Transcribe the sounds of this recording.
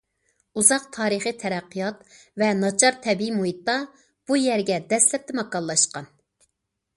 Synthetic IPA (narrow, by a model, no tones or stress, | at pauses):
uzɑq̚t̪ʰɑːɾɨχɨt̪ʰɛɾæqːijɑt̪ | vɛnɑt͡ʃʰɑɾt̪ʰɛbiimuɦit̪ːɑ | b̥ujɛɾɡʲɛd̪ɛslɛp̚t̪ɛmɑkːɑllːˠɑʃqɑn